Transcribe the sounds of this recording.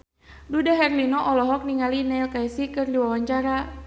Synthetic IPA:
dudaɦɛrlinɔʔɔlɔɦɔk̚niŋalinɛlkaɛsikɨrdiwawaɲt͡ʃaɾa

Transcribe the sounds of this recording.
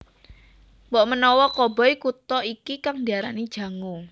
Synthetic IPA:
wɔʔmənɔwɔkɔbɔ̤jkut̪ɔikikaŋdiaɾa̰nid̥ʒ̥ä̤ŋu

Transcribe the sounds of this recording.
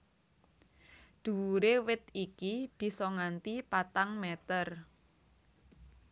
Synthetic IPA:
d̪̥ṳwuɾewɪt̪ikib̥i̤sɔŋant̪ipat̪aŋmɛt̪ər

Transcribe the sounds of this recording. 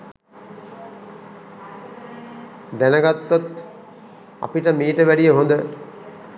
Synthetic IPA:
d̪ænɐɡɐt̪ːot̪ | ɐ̰piʈɐmiːʈəʋæɽijəɦond̪ə

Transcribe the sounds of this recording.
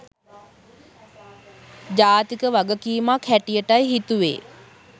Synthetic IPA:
d͡ʑaːt̪ikəʋaɡəkiːmakʰhæʈijəʈajɦit̪uʋḛː

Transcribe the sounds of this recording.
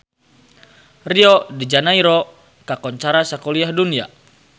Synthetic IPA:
riɔdid͡ʒanaiɾɔ | kakɔɲt͡ʃaɾasakɔliahdunia̰

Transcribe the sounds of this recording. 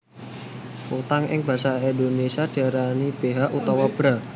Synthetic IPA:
ut̪aŋʔɪ̰ŋb̥ä̤saind̪onesiad̥a̤ɾanib̥e̤ɦaʔut̪ɔwab̥ɾa

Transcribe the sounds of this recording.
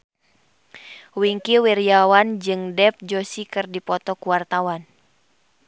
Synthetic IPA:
wiŋkiwiɾiawand͡ʒɨŋdɛp̚d͡ʒosikɨrdipɔt̪ɔkuwart̪awan

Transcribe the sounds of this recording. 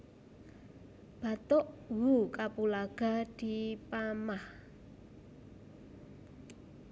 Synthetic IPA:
b̥a̤t̪ʊʔwukapulaɡ̥a̤d̪̥i̤pamah

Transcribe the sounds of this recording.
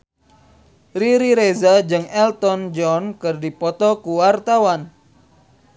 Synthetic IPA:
riɾiɾezad͡ʒɨŋɛlt̪ɔnd͡ʒɔnkɨrdipɔt̪ɔkuwart̪awan

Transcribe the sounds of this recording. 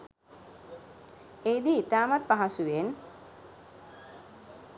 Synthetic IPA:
ejd̪iːt̪aːmat̪̚paɦasuʋen

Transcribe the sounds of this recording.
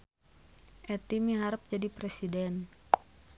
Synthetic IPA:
ʔɛt̪imiɦaɾəp̚d͡ʒadipɾesidɛn

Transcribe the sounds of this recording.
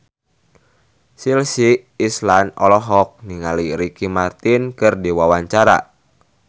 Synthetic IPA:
silsiː | slanɔlɔɦɔk̚niŋaliɾikimart̪inkɨrdiwawaɲt͡ʃaɾa̰

